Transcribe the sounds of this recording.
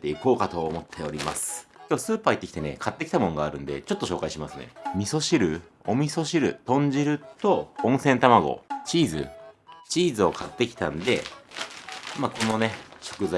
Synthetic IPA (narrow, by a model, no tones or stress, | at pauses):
t̪e̞iko̞ːkat̪o̞ːmo̞t̪ʰːe̞o̞ɾʲimasɨ̥kʲoːsɨːpaːit̪ːekʲi̥t̪e̞ne̞̰kʰat̪ːe̞kʲi̥t̪amõ̞ŋɡaːɾɯ̟̃nd̪e̞̰t͡ɕo̞t̪ːo̞ɕo̞ːkaiɕimasɨnḛmʲiso̞ɕiɾɯ̟o̞mʲiso̞ɕiɾɯ̟t̪õ̞ɲ̟d͡ʑiɾɯ̟t̪o̞õ̞ɰ̃sẽ̞nt̪amaɡo̞̰t͡ɕiːzɨ̰t͡ɕiːzɨo̞kʰat̪ːe̞kʲi̥t̪ãnd̪e̞̰ | mako̞no̞ne̞ɕo̞̥kɯ̟za